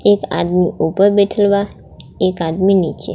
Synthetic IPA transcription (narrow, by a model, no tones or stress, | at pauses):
eka̰d̪miupəɾbɛʈʰəlʋa | ekad̪minit͡ʃḛ